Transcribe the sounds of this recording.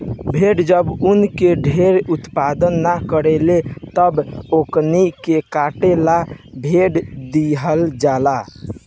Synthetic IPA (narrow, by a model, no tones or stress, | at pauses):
bʱeɖd͡ʒəbunkeɖʱeɾut̪pad̪ənːakəɾelet̪əboknikekaʈelabʱeɖd̪iɦəld͡ʒala